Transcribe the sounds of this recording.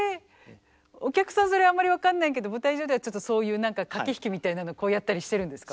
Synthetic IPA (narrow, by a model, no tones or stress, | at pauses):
e | o̞kʲakɯ̟̥sãɰ̃so̞ɾe̞aːmːaɾʲiβakãnːaĩke̞d̪o̞bɯ̟t̪aiʑo̞ːd̪eat͡ɕo̞t̪ːoso̞ːjɯ̟ːnãŋkakakʲiçi̥kʲimʲit̪ainano̞ko̞ːjat̪ːaɾʲiɕi̥t̪e̞ɾɯ̟̃nd̪esɨ̥ka